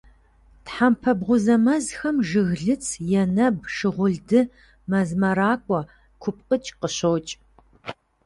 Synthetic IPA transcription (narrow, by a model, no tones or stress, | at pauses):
tħampʰɐbʁʷʊzɐmɐzxɐmʒɨɣɮɨt͡sʰjɛnɐbʂɨʁʷʊɮdɨ | mɐzmɐɾaːkʷʼɔ | kʷʰʊp̚qʼət͡ʃʼqəɕowt͡ʃʼ